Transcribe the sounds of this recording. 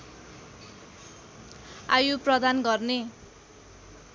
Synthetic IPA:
ajuprʌd̪anɡʌrne

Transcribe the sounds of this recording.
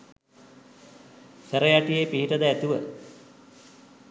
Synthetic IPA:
seɾɐjaʈijepiɦiʈɐd̪ɐːt̪uʋə

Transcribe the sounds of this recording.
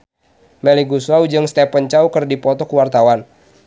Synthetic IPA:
mɛliɡusuaud͡ʒɨŋst̪epənt͡ʃaukərdipɔt̪ɔkuwart̪awan

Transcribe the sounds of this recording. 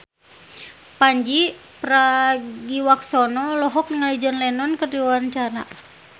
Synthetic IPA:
paɲd͡ʒi | pɾaɡiwaksɔnɔlɔɦɔk̚nŋalid͡ʒanlɛnɔnkərdiwaɲt͡ʃaɾa̰

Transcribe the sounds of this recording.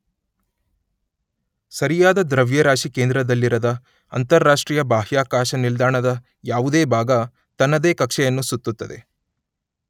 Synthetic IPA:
sɐɾijaːd̪ɐd̪ɾɐʋjɐɾaːʃikeːnd̪ɾɐd̪ɐlːiɾɐd̪ɐ | ɐ̰nt̪ɐɾːaːʂʈɾiːjɐbaːɦjaːkaːʃɐnild̪aːɳɐd̪ɐ | jaːʋud̪eːbʱaːɡɐ | t̪ɐnːɐd̪e̞ːkɐkʂɛjɐnːusut̪ːut̪ːɐd̪e̞

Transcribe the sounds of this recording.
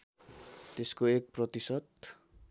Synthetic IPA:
t̪eskoek̚prʌt̪isʌt̪

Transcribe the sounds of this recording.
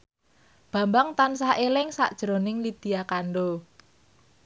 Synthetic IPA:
b̥ä̤mbaŋt̪ansaʔelɪŋsa̰ʔd̥ʒ̥ɾo̤nɪŋlid̪̥i̤jakaɳɖo

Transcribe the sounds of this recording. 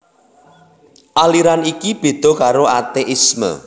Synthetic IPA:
ʔaliɾanikib̥e̤d̪̥ɔ̤kaɾoat̪eʔismə̰

